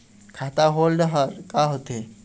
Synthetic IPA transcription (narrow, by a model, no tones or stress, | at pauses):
kʰat̪aɦolɖəɦəɾkaɦot̪e